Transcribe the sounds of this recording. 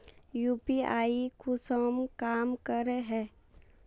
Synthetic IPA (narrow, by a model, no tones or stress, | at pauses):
juːpiaːikʊsomkaːmkəɾeɦɛ̃ː